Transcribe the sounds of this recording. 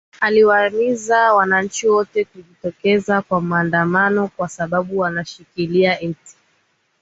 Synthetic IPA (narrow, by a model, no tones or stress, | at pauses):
aliwamizawanaɲ̩t͡ʃiwɔtɛkuʄitɔkɛzakwam̩aːndamanɔkwasaɓaɓuwanaʃikiliaɛti̥